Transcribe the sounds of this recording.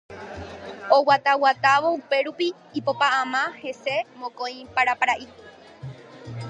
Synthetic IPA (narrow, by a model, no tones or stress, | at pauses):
owat̪awat̪aʋo̞upe̞ɾupiː | popaʔãmãhe̞se̞mõkõĩpaɾapaɾaʔi